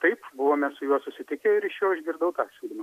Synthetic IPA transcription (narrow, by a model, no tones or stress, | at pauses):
t̪ɐɪpbʊʋoːmʲɛssʊjuɔsʊsʲɪt̪ʲɪkʲeɪɾɪʃʲjɛːɪʒʲɡʲɪɾd̪ɐʊt̪ɑːsʲuːlʲɪmɐ